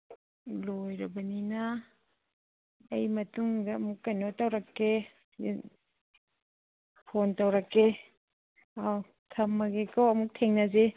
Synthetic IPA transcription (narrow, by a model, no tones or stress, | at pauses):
lojɾɐbɐninɐ | jmɐtuŋdɐːmukːajnotawɾakːe | pʰontawɾakːe | aw | tʰɐmːɐɡekʰawɐmuk̚tʰeŋnɐze